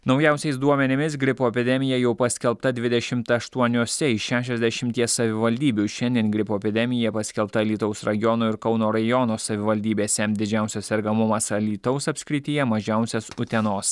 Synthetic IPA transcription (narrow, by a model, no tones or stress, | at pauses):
nɒʊjæˑʊsʲɛɪsd̪uɔmʲɛnʲɪmʲɪsɡɾʲɪpoːɛpʲɪd̪ʲɛmʲɪjɛjɛʊpɐsʲkʲɛlˠpt̪ɐd̪ʲʋʲɪd̪ʲɛʃʲɪmt̪ɐʃt̪uɔnʲoːsʲɛɪʃʲæːʃʲɛzʲd̪ʲɛʃʲɪmʲt̪ʲiɛssːɐʋʲɪʋɐlʲd̪ʲiːbʲuʃʲɛnʲd̪ʲiɛnɡɾʲɪpoːɛpʲɪd̪ʲɛmʲɪjɛpɐsʲkʲɛlˠpt̪ɐlʲiːt̪ɒʊsɾɐjjɔnoːɪɾkɒʊnoːɾɐjɔnoːsɐʋʲɪʋɐlʲd̪ʲiːbʲeːsʲɛd̪ʲɪd͡ʒʲæˑʊsʲosɛɾɡɐmʊmɐsɐlʲiːt̪ɐʊsɐpʲsʲkʲɾʲɪt̪ʲɪjɛmɐʒʲæˑʊsʲɛsʊt̪ʲɛnoːs